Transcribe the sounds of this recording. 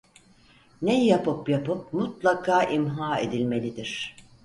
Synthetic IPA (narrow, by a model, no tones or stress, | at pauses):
nejijapɯpjapɯp̚mut̪̚lˠakʰaːʔimɦaːe̞d̪ilʲme̞lʲid̪iɾ̥